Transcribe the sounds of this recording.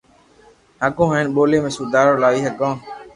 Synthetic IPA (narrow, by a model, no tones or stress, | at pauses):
ɦəkõːɦənɓoːleːmẽːsuːd̪aːɾoːlaːiːɦəkãː